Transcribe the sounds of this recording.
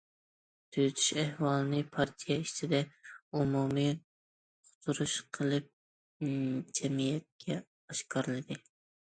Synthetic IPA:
t̪ʰyjyt̪ʰy̥ʃɛhwɑlˠɨnɨpʰɑɾt̪ʰijɛiʃt͡ʃʰid̪ɛumumi | qʰʊ̥t̪ʰuɾuʃqʰəlˠɨp̚ | d͡ʒɛmijɛt̪̚kʲʰɛ | ɑʃkʰɑɾɨlˠɨd̪ɨ

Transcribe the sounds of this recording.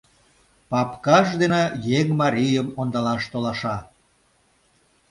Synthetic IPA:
pɑpkɑʃ̬d̪enejeŋmɑɾʲijəmond̪ɑlɑʃt̪olɑʃɑ

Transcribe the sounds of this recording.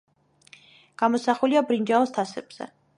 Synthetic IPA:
ɡ̥amɔsaχuliabɾind͡ʒaɔst̪ʰasɛb̥z̥ɛ̰

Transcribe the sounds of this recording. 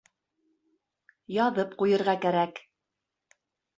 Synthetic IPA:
jɑðɤpqujɤ̆ɾʁɑkæɾæk

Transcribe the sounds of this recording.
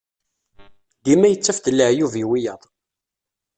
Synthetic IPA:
d̪imæjət͡sːæfd̪əlːəʕjuviwijəðˤ

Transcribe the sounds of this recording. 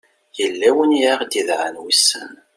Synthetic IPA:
jəlːæwəniʕaʁd̪iðʕənwisːə̰n

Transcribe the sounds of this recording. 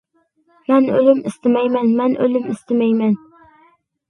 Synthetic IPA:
manɵlɪmɪst̪ɪmajmanmanʔɵlɪmɪst̪ɪmajman

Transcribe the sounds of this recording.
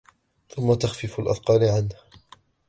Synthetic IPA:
θʊmːat̪axfɪfalʔa̰θqɑːlɪʕanh

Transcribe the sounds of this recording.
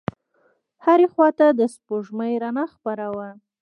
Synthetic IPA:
haɾexwɑt̪ad̪əspoʒməjɾanaxpaɾawa

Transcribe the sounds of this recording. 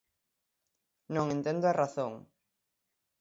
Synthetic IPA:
nõŋẽnt̪ẽnd̪ʊaraθoŋ

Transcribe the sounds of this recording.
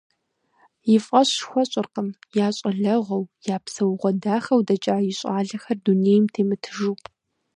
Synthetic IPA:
jɪfʼqʼɐɕxʷɔɕʼɪrqəmjaːɕʼɐɮɐʁʷɐwjaːpsɐwʁʷɔdaːxɐwdɐt͡ʃʼaːjɪɕʼaːɮɐxɐrduneːjmtʰeːmɨtʰɨ̥ʒuːpʼ

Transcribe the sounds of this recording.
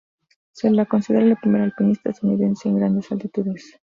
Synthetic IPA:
selːako̞nsiðeɾalepɾimeɾalpinist̪aðuniðe̞nseːŋɡɾand̪e̞salt̪it̪uðe̞s

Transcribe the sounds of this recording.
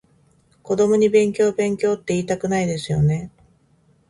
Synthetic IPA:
ko̞d̪o̞mo̞ɲ̟ibẽ̞ŋkʲo̞ːbẽ̞ŋkʲo̞ːt̪ːe̞iːt̪akɯ̟naid̪e̞sɨjo̞ne̞

